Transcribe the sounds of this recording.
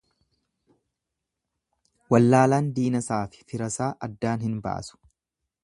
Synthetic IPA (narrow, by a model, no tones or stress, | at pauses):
wɐlːaːlaːnd̪iːnɐsaːfɪ̥fɪɾɐsaːʔɐd̪ːaːnhɪnba̰ːsʊ̥